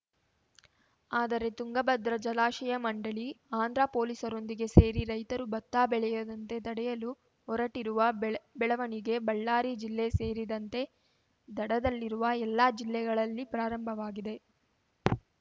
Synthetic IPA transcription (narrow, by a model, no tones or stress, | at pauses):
aːd̪ɐɾe̞t̪uŋɡɐbɐd̪ɾɐd͡ʒɐlaːʃɐjɐmɐɳɖɐɭiaːnd̪ɾaːpo̞ːlisɐɾo̞nd̪iɡe̞se̞ːɾiɾɐjt̪ɐɾubɐt̪ːaːbɛɭɛjɐd̪ɐnt̪e̞d̪ɐɽɛjɐlu | ɦɔɾɐʈiɾuʋɐbɛɭɐʋɐniɡe̞bɐɭːaːɾid͡ʒilːese̞ːɾid̪ɐnt̪e̞ | d̪ɐɽɐd̪ɐlːiɾuʋɐɛlːaːd͡ʒilːɛɡɐɭɐlːipɾaːɾɐmbʱɐʋaːɡid̪e̞